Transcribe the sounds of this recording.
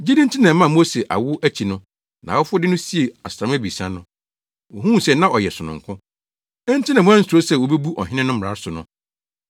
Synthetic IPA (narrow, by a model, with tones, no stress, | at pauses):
d͡ʑe˦dĩ˦n̩˦tʰɪ˦nã˨mã˦˨mo˦se˨ʔa̰˨wʊ˦ʔæ˦t͡ɕʰi˨nʊ̃˦ | nã˨ɔ˦fʊ˦ɔ˦dɪ˦nʊ̃˦si˦e˨a˨sɾã˨mæ˦bi˨sã˦nʊ̃˦ | o˨ɦũ˦˨sɛ˨nã˦ʔɔ˨jɛ˨sʊ˨nʊ̰̃˨ŋkʰʊ̃˦ | ɛ˦n̩˦tʰɪ̃˦nã˨mʊ̃˦ã˦n̩˦so˦sɛ˦˨wo˨be˦bu˦ʔɔ̰˨ɦɪ̃˦nɪ̃˦nʊ̃˦m˨ɾa˨˦sʊ˨nʊ̰̃˦